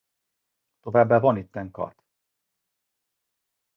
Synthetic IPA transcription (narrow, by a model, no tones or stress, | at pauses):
t̪o̞vaːbːaːvɒnit̪ːɛŋkɒ̰t̪